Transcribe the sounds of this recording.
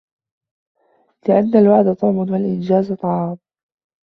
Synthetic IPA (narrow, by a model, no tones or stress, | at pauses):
lɪʔanːalwaʕd̪at̪ˤuʕmʊnwalʔɪnd͡ʒaːzt̪ˤːɑʕɑːm